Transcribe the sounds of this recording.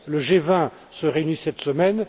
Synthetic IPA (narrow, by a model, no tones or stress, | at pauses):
ləʒevɛ̃ | səʁeynisɛt̪səmɛn